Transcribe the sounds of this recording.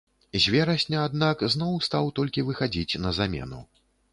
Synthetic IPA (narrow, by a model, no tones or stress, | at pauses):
zʲvʲɛɾɐsʲnʲɐːd̪nakznɔwst̪awt̪ɔlʲkʲivɨxad͡zʲit͡sʲnɐzamʲɛ̰nṵ